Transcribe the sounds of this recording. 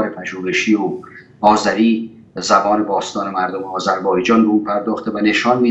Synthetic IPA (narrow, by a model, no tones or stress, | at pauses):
ɾepʰæʒuːɾeʃiːo | ɒːzæɾiː | zæbɒːne̞bɒːst̪ɒːnemæɾd̪omeɒːzæɾbɒːjd͡ʒɒːnbeuːpʰæɾd̪ɒːxt̪evæneʃɒːnmiː